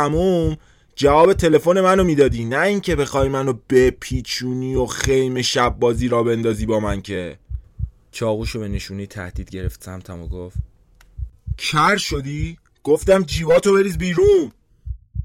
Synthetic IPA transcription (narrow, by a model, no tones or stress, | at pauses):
æmuːm | d͡ʒævɒːbe̞t̪ʰe̞le̞fo̞ne̞mænomiːd̪ɒːd̪iːnæiːŋcʰe̞be̞xɒːjmænob̥e̞pʰiːt͡ʃʰuːniːoxe̞jmeʃæbːɒːziːɾɒːbe̞nd̪ɒːziːbɒːmæncʰe̞ | t͡ʃʰɒːɣuːʃo̞be̞neʃuːnejt̪ʰæ̰hd̪̥iːd̪ɟe̞ɾḛft̪sæmt̪ʰæmoɡoft̪ | cʰæɾʃod̪iː | ɡ̥oft̪æmd͡ʒiːvɒːt̪ʰobeɾiːzbiːɾuːn